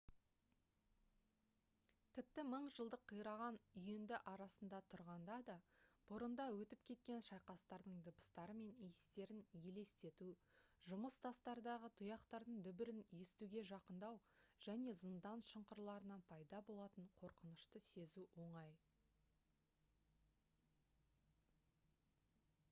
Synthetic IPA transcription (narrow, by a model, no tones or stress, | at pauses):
t̪ʰɪp̚t̪ɪməɴʒəlˠd̪əqʰːəjɾɑʁɑnʏjend̪ɪʔɑɾɑsənd̪ɑt̪ʰʊɾʁɑnd̪ɑd̪ɑb̥ʊɾənd̪ɑwɵt̪ɪp̚kʲʰe̞t̪̚kʲe̞nʃɑjqɑst̪ɑɾd̪əɴd̪əbə̥st̪ɑɾəme̞nijst̪e̞ɾɪnje̞le̞st̪e̞t̪uʒʊməst̪ʰɑst̪ɑɾd̪ɑʁət̪ʰʊjɑqt̪ɑɾd̪əɴd̪ʏbɪɾɪnje̞st̪uɡʲe̞ʒɑqənd̪ɑwʒ̥æne̞zənd̪ɑnʃəɴqəɾlˠɑɾənɑnpʰɑjd̪ɑbo̞lˠɑt̪əɴqʰo̞ɾqənəʃt̪əse̞zuwo̞ɴɑj